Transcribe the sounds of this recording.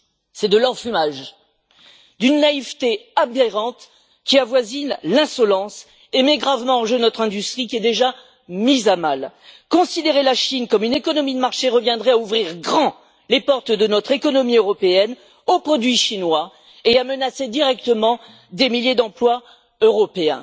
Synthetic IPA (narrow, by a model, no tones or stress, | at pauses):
sɛd̪əlɑ̃fymaʒ | d̪ynːaivt̪eabeʁɑ̃t̪ | kʲiavwazinlɛ̃sɔlɑ̃s | emɛɡʁavmɑ̃ɑ̃ʒøənɔt̪χɛ̃d̪yst̪χikʲiɛd̪eʒa | mizamal | kɔ̃sid̪eʁelaʃinkɔmynekɔnɔmid̪əmaʁʃeʁəvjɛ̃d̪ʁɛauvʁiʁɡʁɑ̃ | lepɔʁt̪d̪ənɔt̪χekɔnɔmiøʁɔpeɛn | opχɔd̪ɥiʃinwa | eamənased̪iʁɛk̚t̪əmɑ̃ | d̪emiljed̪ɑ̃plwa | øʁɔpeɛ̰̃